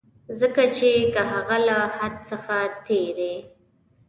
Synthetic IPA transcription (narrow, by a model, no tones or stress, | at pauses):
zəkat͡ʃekəɦaɣalahad̪̚səxat̪eɾe